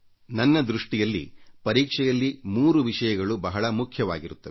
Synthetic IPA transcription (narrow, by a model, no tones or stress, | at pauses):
nɐnːɐd̪ɾuʂʈijɐlːḭpɐɾiːkʂɛjɐlːimuːɾuʋiʂɐjɐɡɐɭubɐɦɐɭɐmukʰjɐʋa̰ːɡiɾut̪ːɐʋe